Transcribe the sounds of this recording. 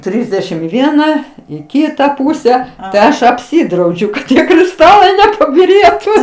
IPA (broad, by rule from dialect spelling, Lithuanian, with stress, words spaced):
ˈtʲrʲɪzʲdʲɛʃʲɪm ɪ ˈʋʲiɛnɐ ɪ ˈkʲiːtɐ ˈpuːsʲɛ tɐɪ ˈɐʃ ɐpʲˈsʲɪdrɐʊd͡ʒʲʊ kɐt ˈtʲiɛ krʲɪˈstɑːlˠɐɪ nʲɛpɐbʲɪˈrʲeːtʊ